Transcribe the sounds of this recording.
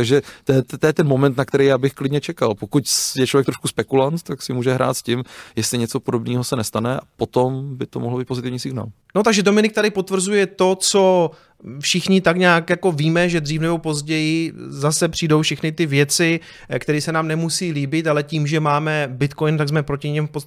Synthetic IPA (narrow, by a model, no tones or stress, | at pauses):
t̪aɡʒɛt̪ɛt̪ːojɛt̪ɛnmomɛnt̪nakt̪ɛɾɛjaːbɪxklɪdɲɛt͡ʃɛkalpokucjɛt͡ʃlovjɛk̚t̪ɾoʃkuspɛkulant̪t̪aksɪmuːʒɛɦɾʔa̰ːt̪scɪmjɛst̪lɪɲɛt͡sopodobniːɦosɛnɛst̪anɛapot̪ombɪt̪omoɦlbiːt̪pozɪt̪ɪvɲiːsɪɡna̰ːl | no̞t̪aɡʒɛdo̞mɪnɪkt̪adɪpo̞t̪vr̩zujɛt̪o̞t͡so̞ | fʃɪxɲɪt̪akɲaːkjako̞viːmɛʒɛdriːfnɛbo̞po̞zɟɛjɪzasɛpr̝̥iːdo̞wfʃɛxnɪt̪ɪvjɛt͡sɪ | kt̪ɛɾisɛnaːmnɛmusiːliːbɪt̪alɛciːmʒɛmaːmɛbɪt̪kojnt̪aɡzmɛpɾo̞cɪɲɪmfpot̪